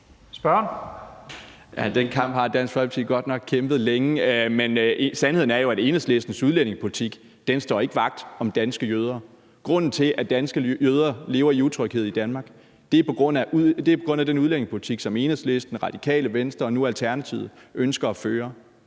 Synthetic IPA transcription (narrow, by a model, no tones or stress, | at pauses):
sb̥ɶn | jæd̥enkʰɑ̈m̰b̥hɑ̈d̥æn̰sɡ̥fɒ̽lbt͡sʰḭɡ̥ɒ̽d̥nɒ̽ɡ̥̚kʰemb̥ð̞̩ˠleŋəmensænhe̝ð̰ˠn̩æɐjo̝æɾe̝ːnðsle̝sd̥n̩suðˠlen̰e̝ŋspʰo̝lit͡sʰiɡ̥ | d̥ensd̥ɒ̰ːe̝ɡ̥əʋɑ̈ɡ̥̚d̥ɒ̽md̥ænsɡ̥əjøːð̞ˠɐ | ɡ̥ʁɔ̽n̰n̩t͡sʰe̝ʔæd̥ænsɡ̥əjøð̞ˠɐle̝ːʊɐiut͡sʰʁœɡ̥heð̞̰ˠid̥ænmɑ̈ːɡ̥ | d̥e̝pʰɒ̽ɡ̥ʁɔ̽n̰æd̥e̝æɐpʰɒ̽ɡ̥ʁɔ̽n̰æd̥enuðˠlen̰e̝ŋspʰo̝li̥t͡sʰiɡ̥sɒ̽me̝ːnəsle̝sd̥n̩ʁɑ̈d̥i̥kʰɛ̰ːləʋensd̥ʁɐɒ̽nuælt͡sʰæɐnæt͡sʰið̩̰ˠʔønsɡ̥ɐɒ̽føːɐ